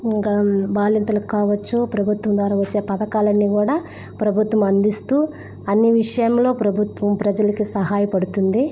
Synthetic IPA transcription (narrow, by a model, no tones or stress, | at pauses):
iŋkɐbaːlint̪ɐlɐkikaːʋɐt͡ʃːupɾɐbʱut̪ʋɐmd̪ʋaːɾɐːʋɐt͡ʃːe̞ːpɐd̪ɐkaːlɐnːiːɡuːɽaː | pɾɐbʱut̪ʋɐmɐnd̪ist̪uː | ɐnːiʋiʂɐjɐmlo̞ːpɾɐbʱut̪ʋɐmpɾɐd͡ʒɐlɐkisɐɦaːjɐpɐɽut̪und̪i